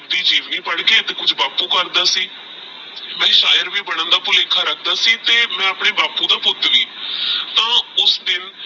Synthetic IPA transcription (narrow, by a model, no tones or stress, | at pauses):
d̪iːd͡ʒiːʋniːpəɽkeːt̪eːkʊd͡ʒbaːpũːkəɾd̪aːsiː | mɛ̃ːʃaːjəɾʋiːbəɽə̃nd̪aːpʊleːkʰaːɾək̚ʰd̪aːsiːt̪eːmɛ̃ːəpɳeːbaːpũːd̪aːpʊt̪ːʋiːt̪ãːʊsd̪ɪn